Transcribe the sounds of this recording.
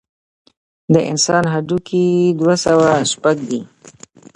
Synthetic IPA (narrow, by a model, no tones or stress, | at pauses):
d̪əʔɪ̰nsɑnɦaɖukʰid̪wasawaʃpaɡ̚d̪i